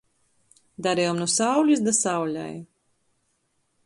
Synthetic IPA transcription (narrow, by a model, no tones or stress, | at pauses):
d̪aɾɛjɔmnusawlʲisd̪asawlʲa̰j